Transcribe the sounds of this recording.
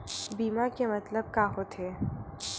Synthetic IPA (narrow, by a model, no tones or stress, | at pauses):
biːmakemɐt̪ləb̚kaːɦot̪ʰeː